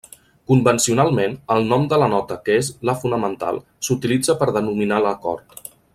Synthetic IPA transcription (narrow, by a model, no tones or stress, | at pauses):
kumbənsiunalˠmenəlˠnɔmd̪ələnɔt̪əkəezləfunəmənt̪a̰lˠ | sut̪ilid͡zəpəɾðənuminaləkɔ̰ɾt̪